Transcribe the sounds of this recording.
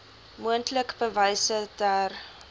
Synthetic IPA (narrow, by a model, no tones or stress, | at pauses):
muəntləkbəvəjsədaːr